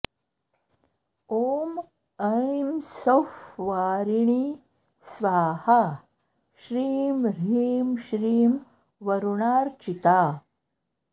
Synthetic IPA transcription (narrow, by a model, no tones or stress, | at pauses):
oːm | ɐjmsɐfʋaːɾiɳiː | sʋaːhɐ | ʃɾiːmɾiːmʃɾiːm | ʋɐɾuɳaːɾt͡ʃit̪aː